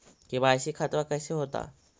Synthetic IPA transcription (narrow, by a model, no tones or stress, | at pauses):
kĩbasikʰat̪ʋakɛjseɦot̪a̰